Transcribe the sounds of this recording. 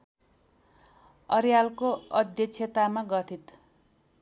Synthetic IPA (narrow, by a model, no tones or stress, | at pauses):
ʌɾjalkoʌd̪jʌt͡sʰjet̪amaɡʌt̪ʰit̪